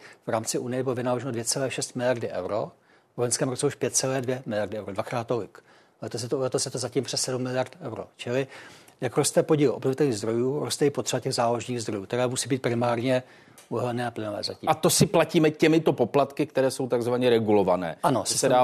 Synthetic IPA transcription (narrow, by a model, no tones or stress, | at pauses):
vɾaːmt͡sɪʔunɪjɛbɪlovɪnaːloʒɛnodvjɛt͡sɛlɛːʃɛst̪mɪlɪjaɾdɪʔɛ̰wɾo | vojnskɛːmɾot͡sɛuʃpjɛt̪̚t͡sɛlɛːdvjɛmɪlɪjaɾdɪɛwɾodvakɾaːt̪ːolɪk | lɛt̪osɛt̪olɛt̪osjɛt̪ozaciːmpr̥ɛssɛdumːɪlɪjaɾt̪ɛwɾo̰t͡ʃɪlɪjakɾo̞st̪ɛpoɟiːlʔobnovɪt̪ɛlɲiːɣzd̪ɾo̞juːɾost̪ɛɪpot̪r̥ɛbacɛɣzaːloʒniːɣzd̪ɾo̞juːkt̪ɛɾɛːmusiːbiːt̪̚pɾɪmaːɾɲɛ | ʔuɦɛlnɛːaplɪnovɛ̰ːzaciːat̪osɪplaciːmɛcɛmɪt̪o̞poplat̪kɪkt̪ɛɾɛːsowt̪aɡzvaɲɛɾɛɡulovanɛ̰ːʔanosɪsa